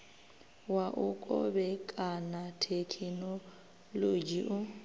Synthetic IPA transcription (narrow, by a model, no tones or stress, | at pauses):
waʔʊkʼɔ̰bɛkʼanatʰekʰinɔ | lod͡ʒiʔʊ